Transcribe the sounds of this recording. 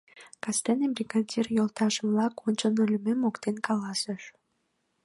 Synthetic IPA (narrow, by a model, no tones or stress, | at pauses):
kɑst̪enebrʲiɡadʲirjolˠt̪ɑʒə̆mlˠɑkʰonʲt͡ɕənulʲmemokt̪enkɑlˠɑsə̆ʃ